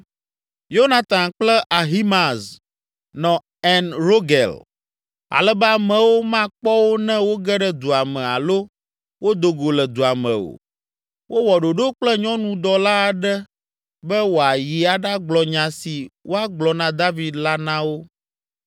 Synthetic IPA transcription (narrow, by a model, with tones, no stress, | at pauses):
jo˦nã˨t̪ã˨k͡plɛ˦ʔa˨ɦi˦mã˨z | nɔ̃˨ | ɛ˨nɾo˦ɡɛ̰˨l | a̰˨lɛ˦bɛ˦a˨mɛ̃˨wo˦mã˦k͡pɔ˦wo˦nɛ̃˦wo˦ɡɛ˦ɖɛ˦d̪u˨a˨mɛ̃˨a˨lo˦ | wo˦d̪o˨ɡo˨lɛ˨d̪u˨a˨mɛ̰̃˨o̰˨ | wʔo˦wɔ˨ɖo˨ɖo˦k͡plɛ˦ɲɔ̃˦nũ˨d̪ɔ˨la˦˨ɖɛ˦ | bɛ˦wo˨a˨ji˨a˨ɖa˦ɡ͡blɔ˨ɲã˨si˨wʔo˦a˦ɡ͡blɔ˨nã˦d̪a˦vi˨d̪la˦nã˦wo˦